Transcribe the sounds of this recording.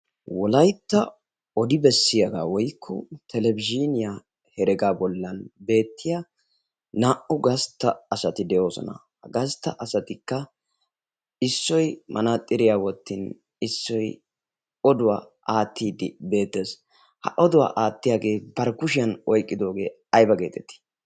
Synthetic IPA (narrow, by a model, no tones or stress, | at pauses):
wɔlɐjt̪ːɐ̰ | ɔd̪ɪbɛsːɪjɐɡaːwɔjkʰːɔ̰t̪ʰɛlɛbɪd͡ʒinɪja | hɛɾɛɡaːbɔlːɐnbe̞ːt̪ːɪja | naːʔʊɡɐst̪ːɐːsɐt̪ɪd̪ɛjo̞ːsɔ̰nɐ̰ | hɐɡɐst̪ːɐʔɐsɐt̪ɪkːɐ | ɪsːɔjmʔɐnat̪ʼːɪɾɪjaːwɔt̪ːin | ɪsːɔj | ɔd̪ʊwaː | ʔaːt̪ːiːd̪ɪbe̞ːt̪ːe̞ːs | hɐ̰ʔɔd̪ʊwa̰ːʔaːt̪ːɪjaːɡe̞ːbɐɾkʊʃɪjɐnɔjkʼːɪd̪o̞ːɡe̞̰ː | ɐjbɐɡe̞ːt̪ʰɛt̪ːɪ̥